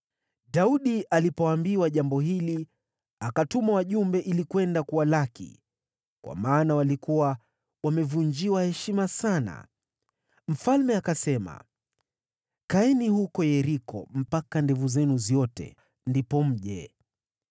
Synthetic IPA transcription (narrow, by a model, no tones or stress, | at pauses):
dauɗiʔalipɔambiwaʄambɔɦili | akatumawaʄumbɛʔilikwɛndakuwalakḭ | kwʔa̰maːnawalikuwa | wamɛvuɲd͡ʒiwahɛʃimasana̰ | m̩falmɛakasɛma̰ | kaɛnihukɔjɛɾikɔ̰m̩pakandɛvuzɛnuzjɔtɛ̰ | ndipɔm̩ʄɛ̰